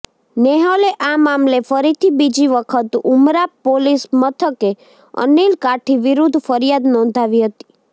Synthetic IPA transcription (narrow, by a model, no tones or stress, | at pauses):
neɦoleʔamamlefəɾit̪ʰibid͡ʒiʋəkʰət̪umɾapːolismət̪ʰəke | ə̰nilkaʈʰiʋɪɾud̪ʱfəɾijad̪nɔ̃nd̪ʱaʋiɦət̪i̥